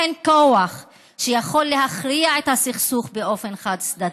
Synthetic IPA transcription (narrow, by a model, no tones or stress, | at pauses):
enkoaχ | ʃejaχo̞lːeɦaχliaet̪hasiχsuχbeo̞fe̞nχad̪sd̪a